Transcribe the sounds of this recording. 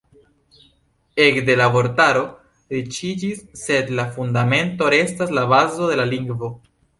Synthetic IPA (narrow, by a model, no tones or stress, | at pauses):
e̞kd̪e̞labo̞ɾtaɾo̞ | ɾit͡ʃid͡ʒisːe̞d̪lafundame̞nto̞ɾe̞staslaβazo̞de̞laliŋɡvo̞